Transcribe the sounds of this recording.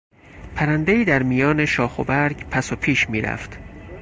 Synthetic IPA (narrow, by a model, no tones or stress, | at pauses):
pʰæɾænd̪e̞iːd̪æɾmijɒːne̞ʃɒːxo̰bæɾɟpʰæsopʰiːʃmiːɾæ̰ft̪